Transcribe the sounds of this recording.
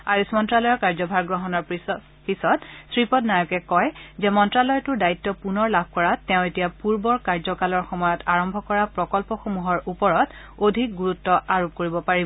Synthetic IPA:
ajusmɔntɹalɔjɔɹkaɹzɔbʱaɹɡɹɔɦɔnɔɹ | pisɔtsɹipɔtnajɔkɛkɔjzɛmɔntɹalɔjtʊdaitːɔpunɔɹlab̚ʱkɔɹatɛ̃ʊ̃etijapuɹbɔɹkaɹzɔkalɔɹxɔmɔjɔtaɹɔmbʱɔkɔɹapɹɔkɔlpɔxomuɦɔɹupɔɹɔt | odʱik̚ɡuɹutːɔʔaɹop̚koɹibɔpaɹibɔ

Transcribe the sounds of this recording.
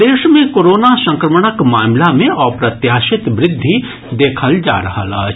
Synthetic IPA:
d̪eːʃmẽkoːɾoːnasɐ̃ŋkɾəməɽ̃əkmaːmlamẽʔɔːɾpɾɐt̪jaːʃɪt̪ʋɾɪd̪ʱːi | d̪eːkʰəld͡ʒa̰ːɾɐɦa̰laː

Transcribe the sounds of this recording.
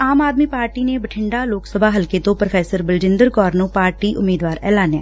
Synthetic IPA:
aːmaːd̪miːpaːɾʈiːnebəʈʰɪɳɖaːloːksəbʱaːɦəlket̪õːpɾofʰɛːsəɾbəld͡ʒɪ̃nd̪əɾkɔːɾnõːpaːɾʈiːʔʊmiːd̪ʋaːɾɛ̰ːlaːnjɛ̰ː

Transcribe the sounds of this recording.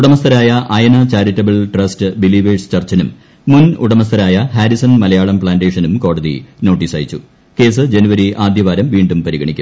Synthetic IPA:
uɽɐmɐst̪ʰɐɾaːjɐʔɐjɐnɐt͡ɕaːɾitːɐbɐɭʈrɐstɨbiliʋeːst͡ɕɐrt͡ɕːɐnumː | unṵɽɐmɐst̪ʰɐɾaːjɐhaːɾisɐnmɐlɐjaːɭɐmpɭaːnɖeːʂɐnumko̞ːɽɐðḭno̞ːʈːiːsaːjit͡ɕːu | ke̞ːsɨd͡ʑenuʋɐɾiʔaːd̪ʱjɐʋaːɾɐmʋiːɳɖumpɐɾiɣɐɳikʲːum

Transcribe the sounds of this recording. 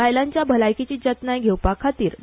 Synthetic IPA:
ajlaɲt͡ɕjabʱəlajkit͡ɕiːd͡ʑət̪najɡʱewpakʰat̪iːɾ

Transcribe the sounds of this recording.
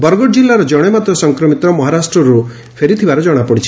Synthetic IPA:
bɔɾɡɔʈd͡ʒilːaɾɔd͡ʒɔɽ̃emat̪ɾɔsɔŋkɾɔmit̪ɔmɔɦaɾasʈɾɔɾu | pʰeɾit̪ʰibaɾɔd͡ʒɔɽ̃apɔɽit͡ʃʰi̥

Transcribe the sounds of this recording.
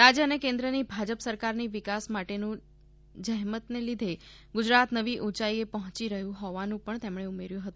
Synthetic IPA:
ɾad͡ʒəənekẽnd̪ɾənibʱad͡ʒəpsəɾkaɾniʋɪkasmaʈenũ | d͡ʒəɦmət̪nelid̪ʱe | ɡʊd͡ʒɾat̪nəʋiʔut͡ʃaiepəɦɔ̃t͡ʃiɾəɦjũɦɔʋanũpəɳt̪emɳ̃eumeɾjũɦət̪ũ

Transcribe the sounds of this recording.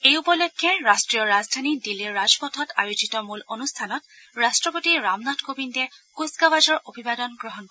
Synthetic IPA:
ejupɔlɔkʰːjɛɹastɹijɔɹazdʱanidilːiɹːazpɔtʰɔtajozitɔmulonustʰanɔt | ɹastɹɔpotiɹamnatʰkobindɛkuskawazɔɹʔobʱibadɔnɡɹɔɦɔnkɔ

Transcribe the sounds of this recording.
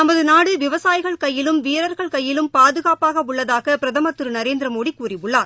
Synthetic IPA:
nɐmɐðɯnaːɽɯʋɪʋɐsaːjɣɐɭkɐjːɪlɯmʋiːɾɐɾɣɐɭkɐjːɪlɯmpaːðɯɣaːpaːɣɐʊɭːɐðaːɣɐpɪɾɐðɐmɐt̪ːɯɾɯnɐɾeːnd̪ɪɾɐmoːɽikuːrɪʋɯɭːaːɾ

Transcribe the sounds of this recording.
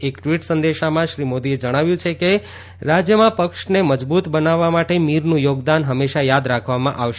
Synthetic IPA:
ekʈʋiʈsə̃nd̪eʃamãʃɾimod̪ied͡ʒəɽ̃aʋjũt͡ʃʰeke | ɾad͡ʒjəmãpəkʃneməd͡ʒbut̪bənaʋːamaʈemiɾnũjoɡd̪anɦəmːeʃajad̪ɾakʰʋamãʔaʋʃ

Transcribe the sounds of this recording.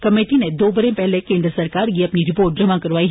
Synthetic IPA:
kəmeʈined̪obəɾepɛɦlekẽnd̪ɾəsəɾkaɾeəpniɾɪpoːɾʈ̚d͡ʒəmakəɾʋai

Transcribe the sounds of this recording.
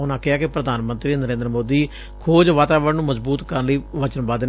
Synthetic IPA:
ʊnãːkɪɦaːkɪpɾəd̪aːnmə̃nt̪ɾiːnəɾẽːnd̪əɾəmoːd̪iː | kʰoːd͡ʒʋaːt̪aːʋəɾnũːməzbuːt̪kəɾnləiːʋət͡ʃənbaːd̪

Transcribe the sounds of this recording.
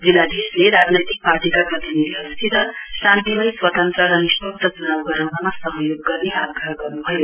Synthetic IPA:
d͡zilːad̪esleɾad͡znʌjt̪ik̚paɾʈikapɾʌt̪iniɾiʌwst̪ʰit̪ʌsant̪imʌjswʌt̪ʌnt̪ɾʌɾʌnispʌk̚d̪ʰʱʌt͡sunawɡʌɾawnamasʌɦjoɡːʌrneaɡɾaɦɡʌrnubʱʌjo

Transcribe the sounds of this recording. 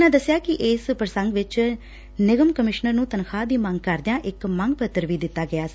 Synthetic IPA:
nãːd̪əsːjaːkɪʔɪːspɾəsəŋɡʋɪt͡ʃ | nɪɡəmkəmɪʃnəɾnũːt̪ənkʰaːd̪iːmə̃ŋɡkəɾd̪ɪjãːʔɪkməŋɡ̚pət̪ːəɾʋiːd̪ɪt̪ːaːɡɪjaː

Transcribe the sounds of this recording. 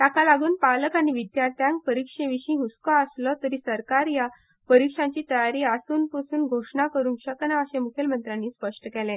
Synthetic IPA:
t̪akalaɡuːnpaləkañiʋid̪jaɾt̪ʰjãŋk̚pəɾikʂeʋiɕĩɦuskaəslɔt̪əɾiːsəɾkaɾja | pəɾikʂãɲt͡ɕiːt̪əjaɾiːasuːnpəsuːnɡʱoʂɳakəɾuːnkɕəknaəɕemukʰelmənt̪ɾanːiːspəʂʈəkɛlẽ

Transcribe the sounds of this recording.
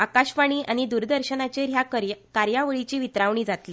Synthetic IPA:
akaɕʋaɳ̃iːʔañid̪uɾd̪əɾɕənat͡ɕeɾjakaɾjaʋəɭit͡ɕiːʋit̪ɾaʋɳ̃iːd͡zat̪liː

